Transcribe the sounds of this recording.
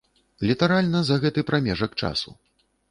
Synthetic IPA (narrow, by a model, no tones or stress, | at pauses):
lʲit̪aɾalʲnɐzɐɣɛt̪ɨpɾʔamʲɛʐɐkt͡ʂa̰sṵ